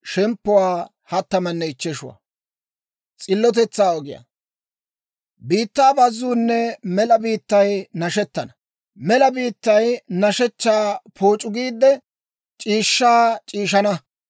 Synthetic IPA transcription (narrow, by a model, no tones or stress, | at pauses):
ʃɛmpːʊwaː | hɐt̪ːɐmɐnːɛɪt͡ʃːɛʃʊwa̰ | t͡sʼɪlːɔt̪̬ɛt͡sːaːɔɡɪja̰ː | biːt̪ːaːbɐzːuːnːɛmɛlɐbiːt̪ːɐjnɐʃɛt̪ːɐnɐ | mɛlɐbiːt̪ːɐjnɐʃɛt͡ʃːaːpʰoːt͡ʃʼːʊɡiːd̪ːɛ | t͡ʃʼiːʃːaːt͡ʃʼiːʃɐnɐ